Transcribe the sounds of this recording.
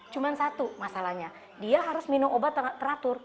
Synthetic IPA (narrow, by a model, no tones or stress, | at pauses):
t͡ʃumansat̪umasalahɲa | diaɦaɾʊsminumʔobat̪t̪ːəɾat̪ʊr